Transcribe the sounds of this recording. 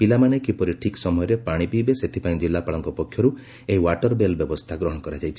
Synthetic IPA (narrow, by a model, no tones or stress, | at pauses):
pilamanekipɔɾiʈʰiksɔmɔjɔɾepaɽ̃ipibeset̪ʰipaĩd͡ʒilːapaɭɔŋkɔpɔkʰːjɔɾu | eɦiwaʈɔɾbelbjɔbɔst̪ʰaɡɾɔɦɔ̃ɔkɔɾad͡ʒajt͡ʃʰi̥